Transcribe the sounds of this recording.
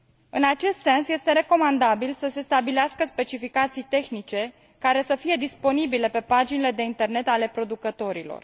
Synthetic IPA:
ɨnat͡ʃe̞st̪se̞nsje̞st̪e̞ɾe̞ko̞mand̪abilsəse̞st̪abileaskəspe̞t͡ʃifikat̪sijt̪e̞xnit͡ʃe̞ | kaɾe̞səfije̞d̪ispo̞nibile̞pe̞pad͡ʒinile̞d̪e̞int̪e̞rne̞t̪ale̞pɾo̞d̪ukət̪o̞ɾilo̰r

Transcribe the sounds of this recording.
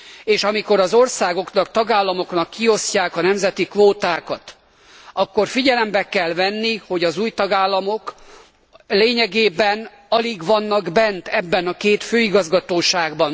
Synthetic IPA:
eːʃɒmiko̞ɾɒzo̞rsaːɡo̞knɒkt̪ɒɡaːlːɒmo̞knɒkːio̞scaːkɒnɛmzɛt̪ikʋoːt̪aːkɒt̪ | ɒkːo̞rfiɟɛlɛmbɛkɛlvɛnːiho̞ɟɒzuːjt̪ɒɡaːlːɒmo̞k | leːɲɛɡeːbɛn | ɒliɡʋɒnːɒɡbɛnt̪ɛbːɛnɒkeːt̪føːiɡɒzɡɒt̪oːʃaːɡbɒn

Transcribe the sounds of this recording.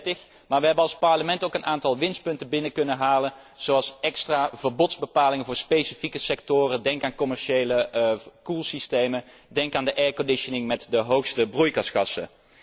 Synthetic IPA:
tɪx | maːɹʋəɦɛbənɑlˠspɑɹləmɛntowkənʔaːntɑlˠʋɪnst̚pɵntəbɪnəkɵnənɦaːlən | z̥owɑlˠsɛkstraːvəɹbɔtzbəpaːlɪŋənvʊːɹspejsifikəsɛk̚tʊːrəndɛŋkaːnkɔmɛɹʃejləkulˠsistejmən | dɛŋkaːndəʔɛːɹkɔndɪʃənɪŋmɛtdəɦowxstəbrujkɑsχɑsə̰

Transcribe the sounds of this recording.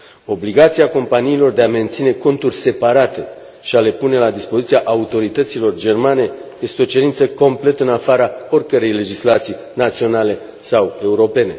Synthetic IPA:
o̞bliɡat̪siako̞mpaniːlo̞rd̪e̞ame̞nt̪sine̞ko̞nt̪urʲse̞paɾat̪e̞ | ʃiale̞pune̞lad̪ispo̞zit̪siaʔaut̪o̞ɾit̪ət̪silo̞rd͡ʒe̞rmane̞je̞st̪eo̞t͡ʃe̞ɾint̪səko̞mple̞t̪ɨnafaɾao̞rkəɾe̞jle̞d͡ʒislat̪sij | nat̪sio̞nale̞ | sawe̞uɾo̞pe̞ne̞

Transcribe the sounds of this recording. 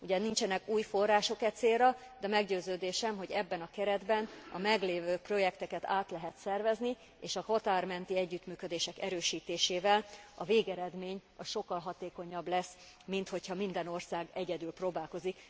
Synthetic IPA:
uɟɛnint͡ʃɛnɛkuːjfo̞rːaːʃo̞kɛt̪seːrɒ | d̪ɛmɛɡɟøːzøːd̪eːʃɛmɦo̞ɟɛbːɛnɒkɛɾɛd̪bɛnɒ̰mɛɡleːvøːpro̞jɛkt̪ɛkɛt̪a̰ːt̪lɛɦɛt̪sɛrvɛzni | eːʃɒhot̪aːrmɛnt̪iɛɟːyt̪myːkød̪eːʃɛkɛɾøːʃiːt̪eːʃeːvɛlɒveːɡɛɾɛd̪meːɲɒsʃo̞kːɒlɦɒt̪eːko̞ɲɒblɛs | mint̪ho̞chɒmind̪ɛno̞rsaːɡɛɟɛd̪ylproːbaːlko̞zik

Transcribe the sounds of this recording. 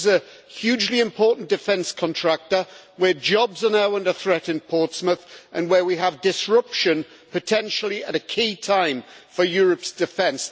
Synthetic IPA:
zə | hjʉːd͡ʒliɪ̃mpʰɔˑʔn̩d̥ɪfɛ̃nskʰɒ̃ntʰɹ̥ak̚təwəd͡ʒɒbzənaʊə̃ndəθɹɛtɪ̃npʰɔˑtsmɪθʔə̃nwəwiəvdɪsɹʌpʃə̃n | pʰətʰɛ̃nʃəl̩ˠiəɾəkʰiːtʰãɪ̃ɱfəjɔːɹəpsd̥ɪfɛ̃ns

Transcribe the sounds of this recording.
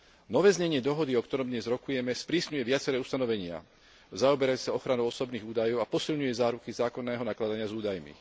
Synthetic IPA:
nɔʋɛːzɲɛɲɪɛd̪ɔɦɔd̪iɔkt̪ɔɾɔmd̪ɲɛzɾɔkujɛmɛspɾiːsɲujɛʋɪat͡sɛɾɛːust̪anɔʋɛɲɪa̰ | zaɔbɛɾajuɛ̥saɔxɾanɔʊɔsɔbniːɣuːd̪ajɔʊapɔsilɲujɛzaːɾukizaːkɔnːɛːɦɔnaklad̪aɲɪazuːd̪ajmḭ

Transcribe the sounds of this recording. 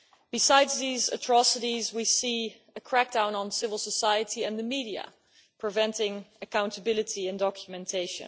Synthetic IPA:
b̥ɨsaɪdzðizɨ̰tʰɹ̥ɑsɨɾizwisi | ɨkʰɹ̥æk̚d̥ãʊ̃nə̃nsɪvəl̩ˠsəsaɪɨɾiɨ̃nðɨmiɾiɨ̰ | pʰɹ̥ɨvɛ̃ntɪ̃ŋɨkʰãʊ̃ntəbɪlˠɨtiɨ̃ndɑkʰjəmɛ̃ntʰeɪʃɨ̰̃n

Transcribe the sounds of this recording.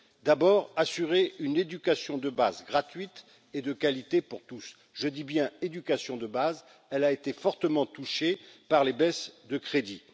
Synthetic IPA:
d̪abɔːʁasyʁeyned̪ykʲasjɔ̃d̪əba̰zɡʁat̪ɥit̪ | ed̪əkalit̪epuʁt̪us | ʒəd̪ibjɛ̃ed̪ykʲasjɔ̃d̪əbaz | ɛlaet̪efɔʁt̪əmɑ̃t̪uʃepaʁlebɛsd̪əkχed̪i

